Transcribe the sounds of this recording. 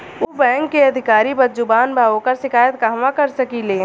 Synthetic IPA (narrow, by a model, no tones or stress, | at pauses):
ubɛ̃ːŋkːeɐd̪ʱɪkaːɾibɐtd͡ʒʊbaːnbʱaːõkɐɾʃɪkaːjət̪ɡaːmãkɐɾsɐkilẽː